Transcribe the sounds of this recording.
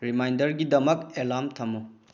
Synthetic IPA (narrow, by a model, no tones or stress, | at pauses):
ɾimajndɐɾɡidɐmɐk̚elamtʰɐmːu